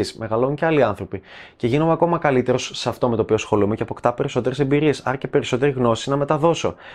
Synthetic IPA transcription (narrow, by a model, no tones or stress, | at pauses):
isme̞ɣɐlouɲceɐliɐnθɾo̞pice̞ʝinomeɐko̞mɐkɐlit̪e̞ɾo̞sːeɐft̪o̞me̞t̪opio̞sxo̞lumeceɐpo̞kt̪ɐpe̞ɾiso̞t̪e̞ɾese̞mbiɾie̞sɐ̰ɾɐce̞pe̞ɾiso̞t̪e̞ɾiɣno̞sinɐme̞t̪ɐðo̞so̞̰